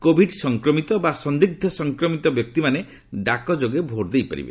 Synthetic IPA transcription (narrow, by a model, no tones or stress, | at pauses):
kobʱiɖsɔŋkɾɔmit̪ɔbasɔnd̪iɡ̚d̪ʱɔsɔŋkɾɔmit̪ɔbjɔk̚t̪imane | ɖakɔd͡ʒoɡebʱoɾd̪ejpa̰ɾḭbḛ